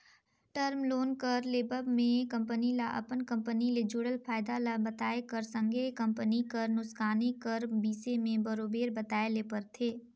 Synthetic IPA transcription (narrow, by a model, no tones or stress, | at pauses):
ʈəɾmloːnkəɾleːbəbmẽkɐ̃mpənilaʔɐ̰pənkɐ̃mpəniled͡ʒʊɽəlpʰaːɪd̪alabɐt̪aːekəɾsə̃ŋɡekɐ̃mpənikəɾnʊskaːnikəɾbiːsemẽbɐɾoːbeːɾbɐt̪aːeleːpəɾt̪ʰeː